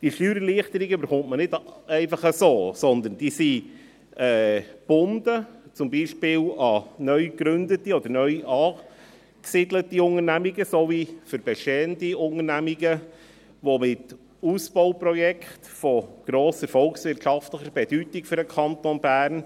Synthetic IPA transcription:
d̥iʃtyːɾəliəχt̪əɾiɡəybəɾχʊntmənɪdɛɪfɑχəsoːsɔnd̪ənd̥iːsi | ɛːb̥ʊndət͡sʊmbiːʃpɪːlɑnœʏkɾʏndətiɔd̪əɾnœʏʔɑː | ksidlətiʊŋəɾnæmiɡəsovifəɾb̥ɛʃteːəntiʊŋənæmiɡə | ʋomɪt | usb̥ɔʊpɾɔjɛkχtfɔɡ̥ɾoːsəɾfɔlksʋɪrtʃɑftləçəɾb̥ɛd̥ytɪkfʏɾəkʰɑnt̪onbæːɾn

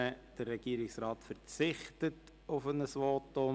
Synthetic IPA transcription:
əd̥ərːɛɡ̥iːɾɪksrɑːtfəɾt͡sɪχtət | ʊfənəsʋoːto

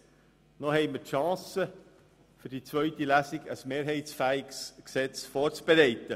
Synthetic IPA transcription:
nohɛɪməɾtʃɑ̃ːsə | fʏɾd̥it͡svœʏɥt̪ilæsiɡəsmeːɾɦɛɪtsfæːɪɡsksɛt͡sfɔːɾt͡sb̥eɾɛɪt̪ə

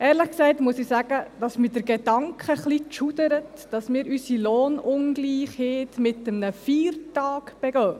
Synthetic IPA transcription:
ɛːɾləχksɛɪtmuəsɪsæɡəd̥ɑsmɪːdəɾɡed̥ɑŋkχəχlit͡ʃud̥əɾətd̥ɑsmɪːɾysiloːnʊnɡliːχhɪːtmɪtəmnəfiːɾtɑːkb̥ɛɡœː

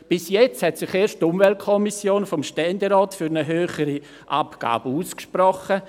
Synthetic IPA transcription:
b̥ɪsjɛt͡sthɛtsɪχeːʃttʊmvɛlt̚kʰɔmisjoːnfɔmʃtɛndeɾɔːtfyɾnəɦøːχəɾi | ʔapɡ̥a̰ːb̥əuːskʃprɔχə

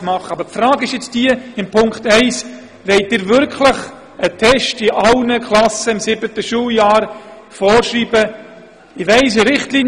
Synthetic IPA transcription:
mɑχəɑbəɾpfɾɑːɡɪʃjɪt͡sd̥iːəɪmpʰʊŋkχtɛɪs | ʋɛɪt̚dɪːɾvʏɾkʰləχ | ətʰɛʃtɪʔɑlnəkʰlɑsəɪmsɪbətəʃuːljɑːɾ | fɔːɾʃriːbə | ɪʋæɪs̬əɾɪχtliːn

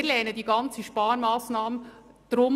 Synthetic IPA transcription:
ɾlɛːnədiːɡɑnt͡səʃpɑːɾmɑːsnɑːmənd̥ɾʊm

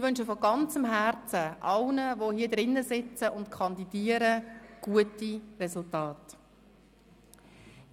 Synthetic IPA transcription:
ɪʋʏnʃəfɔɡɑnt͡səmɦæɾt͡səʔɑlnəʋohiːdɾɪnːəzɪt͡səʔʊntkʰɑndidiːəɾəɡ̥uətirɛzʊltɑːt

